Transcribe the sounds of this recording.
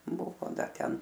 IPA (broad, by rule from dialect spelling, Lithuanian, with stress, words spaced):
ˈbʊʋoː ˈdɐr ˈtʲɛn